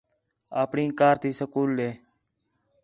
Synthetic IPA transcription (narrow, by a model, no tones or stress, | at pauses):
aːpɳĩːkaːɾt̪iːsəkuːlːeː